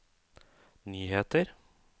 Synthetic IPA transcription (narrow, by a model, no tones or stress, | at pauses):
nyːheːt̪əɾ